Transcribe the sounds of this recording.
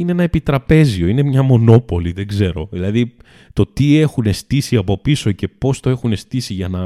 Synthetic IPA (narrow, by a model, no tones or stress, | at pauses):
ineenɐepit̪ɾɐpe̞zio̞ine̞mɲɐmo̞no̞po̞liðe̞ɡze̞ɾo̞̰ðilɐði | t̪o̞t̪ie̞xune̞st̪isiɐpo̞piso̞ce̞po̞st̪o̞e̞xune̞st̪isiʝɐnɐ